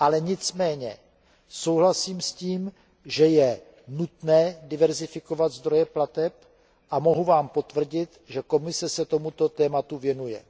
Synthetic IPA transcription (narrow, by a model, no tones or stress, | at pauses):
ʔalɛɲɪt͡smɛːɲɛ | so̞wɦlasiːmsciːm | ʒɛjɛ | nut̪nɛːdɪvɛɾzɪfɪko̞vat̪zd̪ɾo̞jɛplat̪ɛp | ʔamo̞ɦuvaːmpo̞t̪vr̩ɟɪt̪ʒɛko̞mɪsɛsɛt̪o̞mut̪o̞t̪ɛːmat̪uvjɛnujɛ̰